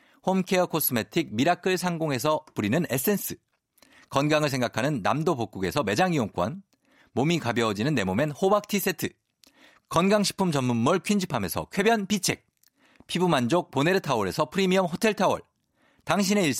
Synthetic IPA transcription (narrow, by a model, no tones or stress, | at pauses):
homkʰe̞ʌkʰos͈ʰɯmetʰik̚miɾakʰɯɭsʰaŋɡoŋe̞sʰʌpuɾinɯne̞s͈ɯens͈ʰɯ | kʌnɡaŋɯɭs̬ʰe̞ŋɡakʰanɯnːa̰mdopok͈uɡe̞sʰʌme̞d͡ʑaŋioŋk͈wa̰n | momikabjʌd͡ʑinɯnːe̞mome̞nhobak̚tʰis͈ʰe̞tʰɯ | kʌnɡaŋɕʰi̥pʰɯmt͡ɕʌmːunːuɭkʰɥind͡ʑʰipʰame̞sʰʌ̰kʰwe̞bjʌnpit͡ɕʰe̞k̚ | pʰibumand͡ʑok̚pone̞ɾɯtʰawʌɾe̞sʰʌpʰɯɾimiʌmɦotʰe̞ɭtʰawʌ̰ɭ | taŋɕ̬ʰine̞iɭ